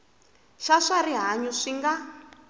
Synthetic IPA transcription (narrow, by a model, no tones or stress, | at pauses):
ʃaʂariɦaɲuʂiŋɡa